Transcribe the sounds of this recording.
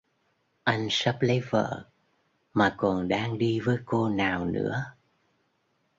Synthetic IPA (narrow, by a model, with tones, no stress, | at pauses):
ʔa˧jŋ̟sə˦˥p̚lə˨˦jvə̰ː˧˨ | maː˨˩kɔ˨˩nɗaː˧ŋɗi˧vəː˨˦jko˧naː˨˩wnɨ̰˧˥ə